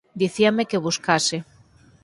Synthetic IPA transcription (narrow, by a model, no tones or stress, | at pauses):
d̪iθiamekeβ̞uskase